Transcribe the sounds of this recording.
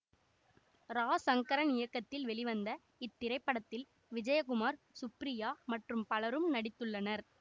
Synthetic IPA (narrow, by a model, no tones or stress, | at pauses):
ɾaːsɐŋkɐɾɐnɪjɐkːɐt̪ːɪlʋɛɭɪʋɐnd̪ɐ | ɪt̪ːɪɾɐɪpːɐɽɐt̪ːɪl | ʋɪd͡ʒɐjɐkʊmaːɾ | sʊpɾɪjaːmɐʈrɯmpɐlɐɾɯmnɐɽɪt̪ːɯɭːɐnɐɾ